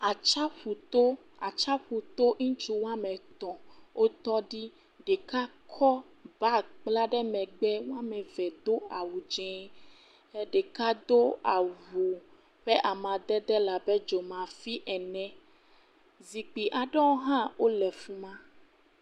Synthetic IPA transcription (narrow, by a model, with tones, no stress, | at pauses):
a˨t͡ʃa˦ɸu˨t̪o˦ | a˨t͡ʃa˦ɸu˨t̪o˦ŋũ˦t͡ʃu˦wa˦mɛ̃˨t̪ɔ̃˨wʔo˦t̪ɔ˦ɖi˦ | ɖɛ˨ka˦kʰɔ˦ | ba˦k͡pla˦ɖɛ˦mɛ̃˨ɡ͡bɛ˦wo˦a˦mɛ̃˨vɛ˨d̪o˦a˨wu˨d͡ʒɛ̃˦ | ɛ˦ɖe˨ka˦d̪o˦a˨vu˨ | ɸɛ˦ʔa˨mã˨d̪ɛ˦d̪ɛ˦la˨bɛ˦d͡ʒo˨mã˨fi˦ʔɛ˨nɛ̃˦ | zi˨k͡pi˨ʔa˨ɖɛ˦wo˦ɦã˦wo˦lɛ˨fu˦mã˦